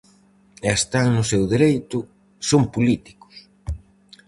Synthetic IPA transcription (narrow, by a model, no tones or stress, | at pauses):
eest̪aŋnʊsewðiɾejt̪ʊ | sompulit̪i̥kʊ̥s